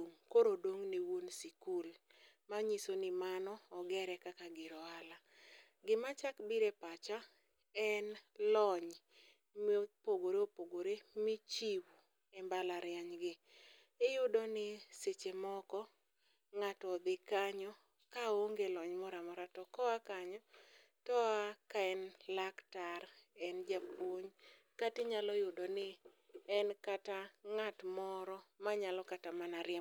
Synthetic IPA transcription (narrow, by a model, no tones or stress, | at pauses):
oŋkoɾodoŋniwunsikulmaɲisonɪmanɔːɡɛɾɛkakaɡɪɾɔala | ɡɪmat͡ʃakbiɾepat͡ʃa | ɛnlɔɲ | mpoɡoɾeopoɡoɾemɪt͡ʃiwu | ɛmbalaɾɪjaɲɡɪ | ɪjʊdɔnɪset͡ʃemɔkɔ | ŋatɔd̪ɪkaɲɔ | kaoŋɡelɔɲmɔɾamɔɾatɔkɔakaɲɔ | tɔakaɛnlaktaɾɛnd͡ʒapoɲ | katɪɲalɔjʊdɔnɪ | ɛnkataŋatmɔɾɔmaɲalɔkatamanaɾɪɛ